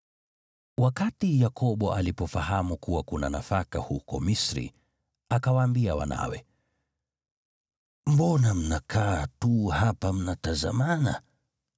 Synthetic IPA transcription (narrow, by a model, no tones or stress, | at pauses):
wakatijakʰɔɓɔʔalipɔfahamukuwakuna̰nafaka̰hukɔmisɾḭ | akawaːmbiawa̰na̰wɛ | m̩bɔnam̩nakʰaːtuhapam̩nataza̰mana̰